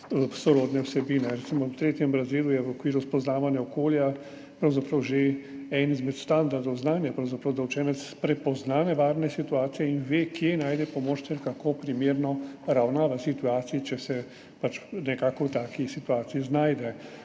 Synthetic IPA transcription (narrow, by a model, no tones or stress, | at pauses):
sɔɾoːd̪nɛwsɛbiːnɛɾɛt̪simɔwt̪ɾeːt̪jɛmbɾazeːlujɛʋɔkʋiːɾuspɔznaːʋanjaɔkoːlja | pɾɐwzapɾɐwʒeɛnizmɛt̪st̪and̪aɾd̪ɔwznaːnjapɾɐwzapɾɐwd̪awt͡ʃɛːnɛt̪spɾɛpɔznanɛʋaːɾnɛsit̪uaːt̪sijɛinʋeːkjenaːjd̪ɛpɔmoːt͡ʃt̪ɛɾkakopɾimeːɾnɔɾawnaːʋasit̪uaːt̪siit͡ʃɛsɛ | pat͡ʃnɛkaːkɔwt̪aːkisit̪uaːt̪siiznaːjd̪ɛ